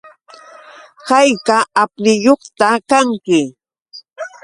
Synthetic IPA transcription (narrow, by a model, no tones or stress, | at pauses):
hɑjkaap̚nɪjoχt̪akaŋkɪ